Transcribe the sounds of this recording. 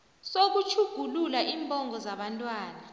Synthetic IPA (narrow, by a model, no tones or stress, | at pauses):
sok̬ut͡ʃʰuɡ̥ʱululaʔiːmbʱʼɔŋɔzaɓantʼwaːna